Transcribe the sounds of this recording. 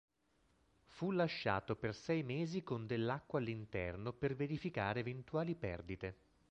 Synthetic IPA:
fulaʃːa̰ːt̪opersɛjmeːzikond̪elːakːwalːint̪ɛ̰rnoperveɾifikaːɾeːvent̪uaːlipɛ̰rd̪it̪e

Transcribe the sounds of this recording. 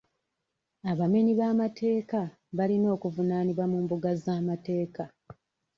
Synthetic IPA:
aβame̞ɲiβaːmatʰe̞ːka | βalino̞ːkuvunaːniβwamuːmbuɡazaːmate̞ːka

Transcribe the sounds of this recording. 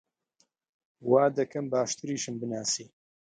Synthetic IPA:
waːd̪ɐkʰɐmbaːʃt̪ɨɾiːʃɨmbɨnaːsiː

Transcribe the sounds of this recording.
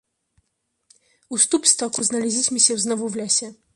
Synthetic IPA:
ust̪upst̪akuznɐlʲɛzʲit͡sʲmʲisʲɛwznɔvuvlʲasʲɛ

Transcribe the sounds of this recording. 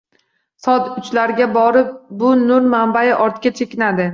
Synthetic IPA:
sɒt̪ʊt͡ʃlaɾɡʲabɒɾɪp̚bʊnʊɾmambajɪʔɒɾt̪kʲat͡ʃʰe̞kʲɪnad̪ɪ

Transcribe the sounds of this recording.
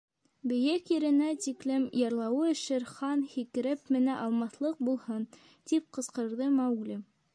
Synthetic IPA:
bɘ̆jækjɘ̆ɾɘ̆næt̪iklɘmjɑɾlˠɑwɤɘ̆ʃɘɾχɑnhikɘ̆ɾɘpmɘ̆næʔɑlˠmɑθlˠɤq̚bulˠhɤn | t̪ip̚qɤ̆sqɤ̆ɾðɤmæwɡlʲɘ

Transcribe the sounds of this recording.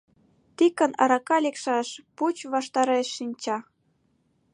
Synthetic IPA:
t̪ikə̆nɑ̰ɾɑkɑlekʃɑʃput͡ɕβɑʃt̪ɑɾeʃːinʲt͡ɕɑ

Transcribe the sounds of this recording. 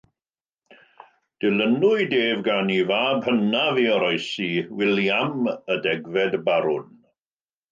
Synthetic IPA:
d̥ɪlənʊɨdeːvɡanivaːbhənaviɔɾɔɨsiwɪljamədɛɡvɛdbaɾʊn

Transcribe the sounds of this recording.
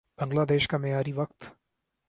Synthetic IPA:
b̥ɐ̃ŋɡlaːd̪eːʃkamejaːɾiʋɐkt̪

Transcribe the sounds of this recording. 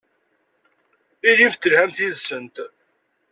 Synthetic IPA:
ɪɾift̪ːəlhæmθiðsənt̪

